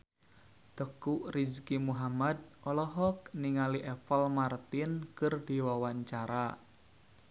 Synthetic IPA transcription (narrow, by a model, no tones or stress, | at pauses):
d̪̥əkuʔrizkimuɦamad̪̚ɔlɔɦɔk̚niŋaliʔɛfɔlmart̪ɪnkɨrdiwawaɲt͡ʃaɾa